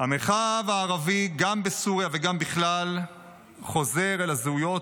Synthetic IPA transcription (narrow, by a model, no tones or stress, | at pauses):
hameχavaːʁaviɡambesuʁjaveɡambiχlal | χo̞ze̞ʁelazeujo̞